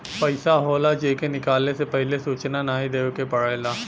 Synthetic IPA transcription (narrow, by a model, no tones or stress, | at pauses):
pɐɪsaɦoːlad͡ʒeːkenɪkaːlnesepɛɦlesuːt͡ʃnanaːɦid̪eːwkepɐɽajlaː